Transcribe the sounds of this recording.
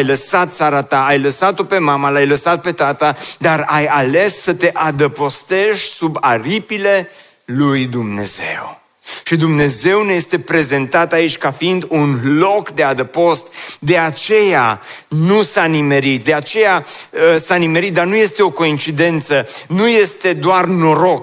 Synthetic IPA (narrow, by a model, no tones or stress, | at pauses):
jləsat̪̚t̪saɾat̪aːjləsat̪o̞pe̞mamalajləsat̪̚pe̞t̪at̪əd̪arajale̞sːət̪e̞ʔad̪əpo̞st̪e̞ʃsubaɾipile̞ | lujd̪umne̞̰ze̞̰w | ʃid̪umne̞ze̞wnejest̪e̞pɾe̞ze̞nt̪at̪ait͡ʃʲkafiind̪unlo̞kd̪e̞ad̪əpo̞st̪d̪e̞at͡ʃe̞janusanime̞ɾit̪̚d̪e̞at͡ʃe̞jaəsanime̞ɾit̪̚d̪arnuje̞st̪e̞o̞ko̞int͡ʃid̪e̞nt̪sənuje̞st̪e̞d̪oarno̞ɾo̞k